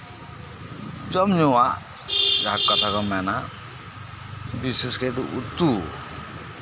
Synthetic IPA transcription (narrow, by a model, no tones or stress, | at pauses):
d͡ʒɔmɲuwaʔd͡ʒakɔt̪ʰakɔmɛna | bisɪsket̪̬uʔut̪u